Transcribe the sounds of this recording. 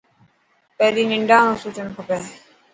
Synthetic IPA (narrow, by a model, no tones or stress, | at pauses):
peːd̪iːnɪɳɖãːnõːsuːt͡ʃənkʰʊpeː